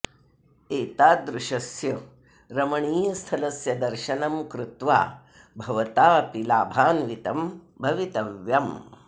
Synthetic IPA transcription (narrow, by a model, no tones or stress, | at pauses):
eːt̪aːd̪ɾuʃɐsjɐ | ɾɐmɐɳiːjɐst̪ʰɐlɐsjɐd̪ɐɾʃɐnɐmkɾut̪ʋa̰ː | bʱɐʋɐt̪aːpilaːbʱaːnʋit̪ɐm | bʱɐʋit̪ɐʋjɐm